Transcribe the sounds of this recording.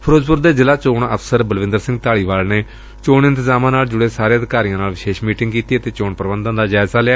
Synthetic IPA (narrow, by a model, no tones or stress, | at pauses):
pʰəɾoːzpʊɾd̪eːd͡ʒɪlaːt͡ʃoːɳəfsəɾbəlʋɪ̃nd̪əɾsɪ̃ŋɡ̚t̪aːɭiːʋaːlneː | t͡ʃoːɳɪ̃nt̪ɪzaːmãːnaːld͡ʒʊɽeːsaːɾeːəd̪ɪkaːɾijãːnaːlʋɪʃeːʃmiːʈɪŋɡkiːt̪iːət̪eːt͡ʃoːɳpəɾbənd̪ãnd̪aːd͡ʒaːɪzaːleaː